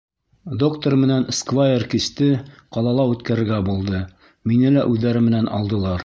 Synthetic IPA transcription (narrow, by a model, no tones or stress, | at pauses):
d̪o̞kt̪ormɘ̆nænskvajerkist̪ɘqɑlˠɑlˠɑʉt̪kæɾɘ̆ɾɡæbulˠd̪ɤ | minɘlæʔʉðːæɾɘmɘ̆nænʔɑ̰lˠd̪ɤ̆lˠɑɾ